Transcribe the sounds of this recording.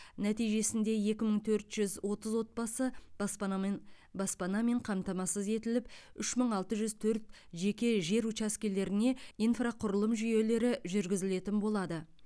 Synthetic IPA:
næt̪ijʒe̞sɪnd̪e̞je̞kʲɪməɴt̪ʰɵɾt̪ʒ̥ʏzwo̞t̪əzwo̞t̪̚bɑsə | bɑspɑnɑme̞ɴqʰɑmt̪ɑmɑsəze̞t̪ɪlɪp̚ʏʃməɴɑlˠt̪əʒʏzt̪ʰɵɾt̪̚ | ʒe̞kʲe̞ʒe̞ɾut͡ʃaskʲele̞ɾɪne̞ijnfraqʰʊɾəlˠəmʒʏje̞le̞ɾɪʒʏɾɡʲɪzɪle̞t̪ɪnbo̞lˠɑd̪ə

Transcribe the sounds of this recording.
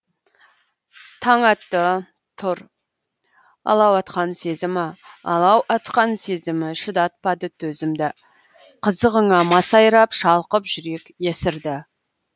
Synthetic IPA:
t̪ʰɑɴɑt̪ːə | t̪ʰʊɾ | ɑ̰lˠɑwɑt̪qɑnse̞zɪmɪɑ̰lˠɑwʔɑt̪qɑnsezɪmɪʃɪd̪ɑt̪̚pɑd̪ət̪ʰɵzɪmd̪ɪ | qʰəzəʁəɴɑmɑsɑjɾɑpʃɑlˠqəpʒʏɾe̞kje̞sɪɾd̪ɪ

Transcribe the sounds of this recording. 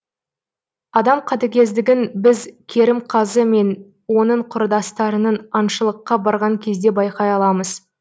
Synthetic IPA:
ɑd̪ɑmqʰɑt̪ekʲe̞zd̪ɪɡʲɪnbɪzkʲʰe̞ɾɪmqʰɑzəme̞n | wo̞nəɴqʰʊɾd̪ɑst̪ɑɾənənɑnʃəlˠəqːɑbɑɾʁɑŋkʲʰe̞zd̪e̞bɑjqɑjɑlˠɑməz

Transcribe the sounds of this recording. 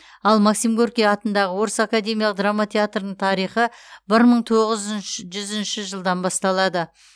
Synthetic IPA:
ɑlˠmaksimɡorkʲijɑt̪ənd̪ɑʁəwo̞ɾəsakad̪e̞mʲijɑlˠəq̚d̪ramːat̪ʰʲe̞at̪rənəɴt̪ʰɑɾijχəbɪɾməɴt̪ʰo̞ʁəzʒʏzɪnʃɪʒəlˠd̪ɑnbɑst̪ɑlˠɑd̪ə

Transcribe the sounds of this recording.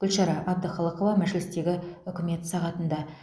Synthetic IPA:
ɡ̥ʲʏlʃɑɾɑʔɑbd̪əχɑlˠəqovɑmæʒɪlɪst̪e̞ɡʲɪʏkʲɪme̞t̪sɑʁɑt̪ənd̪ɑ

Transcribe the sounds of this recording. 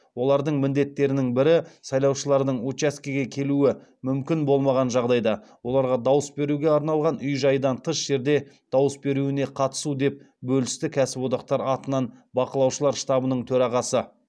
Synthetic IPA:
wo̞lˠɑɾd̪əɴmɪnd̪e̞t̪ːe̞ɾɪnɪŋbɪɾɪsɑjlˠɑwʃəlˠɑɾd̪əɴot͡ʃeskʲiɡʲe̞kʲʰe̞luɪ | mʏmkʲɪnbo̞lˠmɑʁɑnʒɑʁd̪ɑjd̪ɑ | wo̞lˠɑɾʁɑd̪ɑwəsbe̞ɾuɡʲe̞ɑɾnɑlˠʁɑnʏjʒɑjəd̪ɑnt̪ʰəʃʒ̥e̞ɾd̪e̞d̪̥ɑwəsbe̞ɾuɪne̞qʰɑt̪ə̥sud̪e̞p̚ | bɵlɪst̪ɪkʲʰæsɪpwo̞d̪ɑq̚t̪ɑɾɑt̪ənɑnbɑqəlˠɑwʃəlˠɑɾʃt̪ɑbənəɴt̪ʰɵɾɑʁɑsə

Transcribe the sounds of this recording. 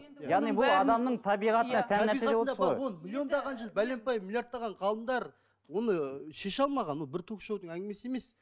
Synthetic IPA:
jjɑʁnibʊlˠɑd̪ɑmnəɴt̪ʰɑbijʁɑt̪ənɑt̪ʰænːæɾseʁɑeod̪ɑbɾojwonmilʲˠijo̞nd̪ɑʁɑnʒəlˠbæle̞mpɑjmilʲˠjaɾt̪̚ːɑʁɑɴqʰɑlˠəmd̪ɑɾ | wo̞nəʃe̞ʃɑlˠmɑʁɑnwolˠbɪɾt̪ʰokʃɑwd̪əɴæŋɡʲɪme̞sɪe̞me̞s

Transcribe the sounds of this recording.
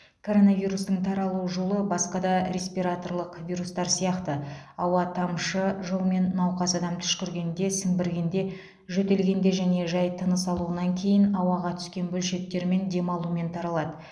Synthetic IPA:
kʰo̞ɾo̞naviɾust̪əŋt̪ʰɑɾɑlˠuʒo̞lˠəbɑsqɑd̪ɑɾʲe̞spiɾat̪o̞rlˠəqvʲijɾust̪ɑɾsijɑqt̪əɑwɑt̪ʰɑmʃəʒolˠme̞nːɑwqɑzɑd̪ɑmt̪ʰʏ̥ʃkʲʏɾɡʲe̞nd̪e̞sɪŋbɪɾɡʲe̞nd̪e̞ | ʒɵt̪e̞lɡʲe̞nd̪e̞ʒæne̞ʒɑjt̪ʰənəsɑlˠuənɑŋkʲʰe̞jɪnɑwɑʁɑt̪ʰʏ̥skʲe̞nbɵlʃe̞t̪ːe̞ɾme̞nd̪e̞mɑlˠume̞nt̪ʰɑɾɑlˠɑd̪ə

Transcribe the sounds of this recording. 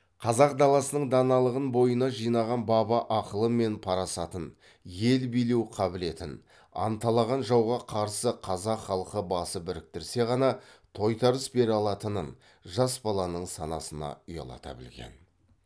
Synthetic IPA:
qʰɑzɑqd̪ɑlˠɑsənəɴd̪ɑnɑlˠəʁənbo̞jənɑʒijnɑʁɑnbɑbɑʔɑqəlˠəme̞npʰɑɾɑsɑt̪ən | je̞lbijlewqʰɑbɪle̞t̪ɪn | ɑ̰nt̪ɑlˠɑʁɑnʒɑwʁɑqʰɑɾsəqʰɑzɑqχɑlˠəqəbɑsəbɪɾɪk̚t̪ɪɾse̞ʁɑnɑt̪ʰo̞jt̪ɑɾəsbe̞ɾɑlˠɑt̪ənən | ʒɑsbɑlˠɑnəɴsɑnɑ̰sənɑ̰ʊjɑ̰lˠɑ̰t̪ɑ̰bɪ̰lɡʲe̞̰n

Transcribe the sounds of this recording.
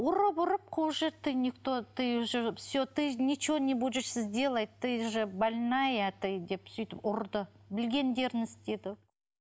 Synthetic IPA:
ʊɾəbʊɾəp̚qʰoʒeɾt̪ʰɨjnʲikt̪ot̪ɨjʒəsʲot̪ɨnʲit͡ʃonʲebud̪ʒɪsɪzd̪ʲelˠɑjt̪ʰːɨjʒəbalʲnajæt̪ɨjd̪e̞psʏjt̪ɪpʊɾd̪əbɪlɡʲe̞nd̪e̞ɾɪnɪst̪e̞d̪ɪ

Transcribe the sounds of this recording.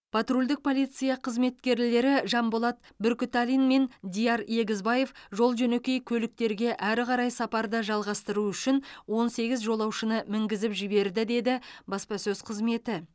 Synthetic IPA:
pʰɑt̪rulʲd̪ɪk̚pʰo̞lʲˠijt̪sɨijɑqʰəzme̞t̪kʲe̞ɾle̞ɾɪʒɑmbolˠɑt̪ | bʏɾkʲɪt̪alʲinme̞nd̪ʲijɑɾje̞ɡʲɪzbɑje̞fʒo̞lˠʒɵne̞kʲe̞jkʲʰɵlɪk̚t̪e̞ɾɡʲe̞ʔæɾʁɑɾɑjsɑpɑɾd̪əʒɑlˠʁɑst̪əɾuʏʃɪnwo̞nse̞ɡʲɪzʒo̞lˠɑwʃənəmɪŋɡʲɪzɪpʒɪbe̞ɾd̪ɪd̪e̞d̪ɪbɑspɑsɵzqʰəzme̞t̪ɪ

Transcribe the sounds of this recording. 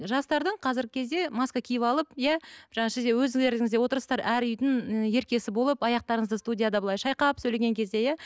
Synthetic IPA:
ʒɑst̪ɑɾd̪əɴqʰɑzɪɾɡʲɪkʲʰe̞zd̪e̞mɑskakʲʰijɪpɑlˠəp̚jæʒ̥ɑɴɑʃɪzd̪ewɵzd̪ɪeɾd̪ɪŋɪzd̪e̞wo̞t̪əɾsə̥st̪ɑɾʔæɾʏjd̪ɪŋje̞ɾkʲe̞sɪbo̞lˠəpɑjɑq̚t̪ɑɾəɴəzd̪əst̪udʲijad̪ɑbəlˠɑjʃɑjqɑpsɵjleɡʲe̞ŋkʲʰe̞zd̪e̞jæ

